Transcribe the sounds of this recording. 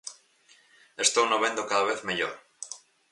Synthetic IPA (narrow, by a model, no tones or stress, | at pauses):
est̪ownoβend̪okaðaβ̞eθmeʎo̰ɾ